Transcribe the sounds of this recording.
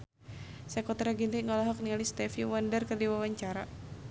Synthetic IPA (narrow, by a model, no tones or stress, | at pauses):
sɛkɔt̪ɾaɡint̪iŋɔlaɦɔk̚nialist̪ɛfiwandərkərdiwawaɲt͡ʃaɾa